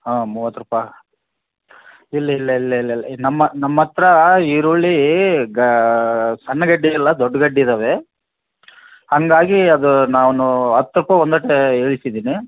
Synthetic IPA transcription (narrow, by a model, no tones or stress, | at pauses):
ɦaːmuːʋɐt̪ːɾupɐ | ilːɐilːɐilːɐilːɐilːɐnɐmːɐnɐmːɐt̪ɾɐiʋɾuɭːiɡ | sɐnːɐɡɐɖːiɐlːɐd̪ɔɖːɐɡɐɖːid̪ɐːʋe̞ | hɐŋɡaːɡiɐd̪unaːʋnuɐt̪ːɾupɐond̪ɐʈːeeːɭisid̪iːni